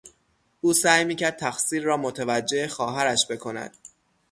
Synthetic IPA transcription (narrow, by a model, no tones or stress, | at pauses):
uːsæːjmiːcʰæɾd̪̚t̪ʰæxsiːɾːɒːmot̪ʰevæd͡ʒːe̞exɒːɦæɾæʃbe̞kʰo̞næ̰d̪̥̚